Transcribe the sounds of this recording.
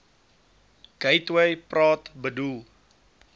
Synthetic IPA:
ɡ̥əjtwəjprɑːtbədulˠ

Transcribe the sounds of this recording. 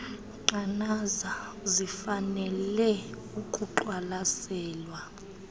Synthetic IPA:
ǃanaza | zifanɛlɛ | ukʼuǃwalasɛːlwa

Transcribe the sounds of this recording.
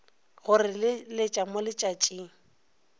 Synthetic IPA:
ɣʊrɪllɪt͡ʃʼamʊlɪt͡ʃʼat͡ʃʼiːŋ̩

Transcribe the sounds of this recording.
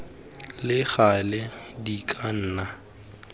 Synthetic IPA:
lɪɣalɛdikʼan̩ːna

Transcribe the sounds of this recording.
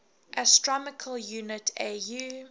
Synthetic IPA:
ʔəstɹɔmɪkʰəljuːnɪtʰeju

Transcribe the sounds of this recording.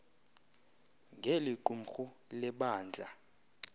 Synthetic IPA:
ŋɡʱeliǃum̩xulɛɓaːnd͡ɮʱa

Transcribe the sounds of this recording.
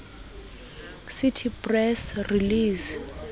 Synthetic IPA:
sitʰipʼrɛsriliːs

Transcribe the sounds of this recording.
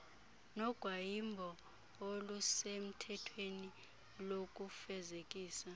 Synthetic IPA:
nɔɡ̥ʱwajimbʱɔ | olusem̩tʰɛtʰweni | lok̬ʼufɛzekʼiːsa

